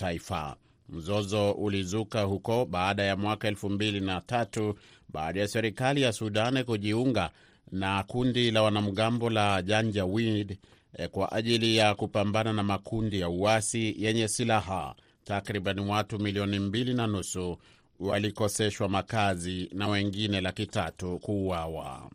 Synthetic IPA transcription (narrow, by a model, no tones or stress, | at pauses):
aifa̰ | m̩zɔzɔʔulizukahukɔɓaːɗajamwakaɛlfumbilinatatuɓaːɗajasɛɾikalijasuɗankuʄiuŋɡa | nakundilawanam̩ɠambɔlaʄaɲd͡ʒawid | kwa̰ʔaʄilijakupambananamakundijauasijɛɲɛsilaɦa̰ | takɾiɓaniwatumiliɔnimbilinanusu | walikɔsɛʃwamakazinawɛŋɡinɛlakitatukuːawa̰